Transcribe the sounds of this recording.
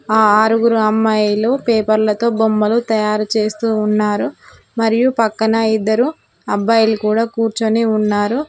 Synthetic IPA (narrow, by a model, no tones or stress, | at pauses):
aːaːɾuɡuɾuɐmːɐjloːpeːpɐɾlɐt̪o̞ːbombɐlut̪ɐjaːɾut͡ʃe̞ːst̪uːnːaːɾu | mɐɾijupɐkːɐnɐid̪ːɐɾu | ɐbːɐjlukuːɽaːkuːɾt͡ʃɐneːunːaːɾu